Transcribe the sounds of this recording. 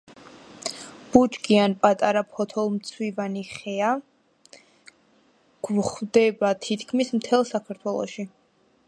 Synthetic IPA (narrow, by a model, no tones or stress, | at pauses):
b̥ud͡ʒɡianpʼat̪ʼaɾapʰɔt̪ʰɔlˠmt̪sʰwivaniχɛa | ɡ̥χd̪ɛbat̪ʰit̪ʰkʰmismt̪ʰɛlˠsakʰaɾt̪ʰwɛlˠɔ̰ʃi